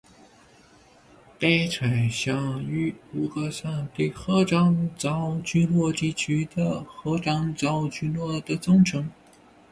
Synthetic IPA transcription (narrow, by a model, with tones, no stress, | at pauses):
pa˥ɪt͡sʰwa˨˩ɪɕjɑ˥˩ŋy˥u˧˥kə˥˧sa˥˧nt̪i˥˩xɤ˥ʈ͡ʂɑ˥ŋt͡sɑ˥ʊt͡ɕy˥nlwɔ˥˧t̪i˥˩t͡ɕʰy˧˥d̪ə˧xɤ˧˥ʈ͡ʂɑ˥ŋt͡sɑ˧˥ʊt͡ɕy˥nlwɔ˥˩d̪ə˩t͡sʊ˥ŋʈ͡ʂʰɤ˧˥ŋ